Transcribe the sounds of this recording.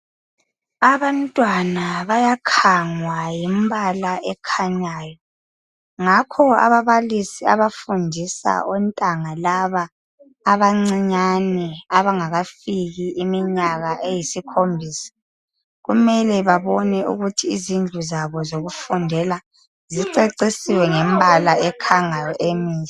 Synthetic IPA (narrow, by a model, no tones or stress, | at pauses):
aβantʼwanaβajakʰaŋwajimbalaʔɛkʰaɲaːjɔ | ŋakʰɔa̰βaβalisia̰βafundʱisa̰ʔɔntʼaŋalaβaː | βaŋ͡ǀiɲanɛaβaŋaɣafiɣiːmiɲaɣaʔejisikʰombʱiːsḁ | ɣumɛlɛβaβɔnɛʔṵɣutʰiːzind͡ɮʱuzaβɔzoɣufundʱɛla | ziǀeǀisiwɛŋɛmbʱalaɛkʰaŋajɔʔemiːɛ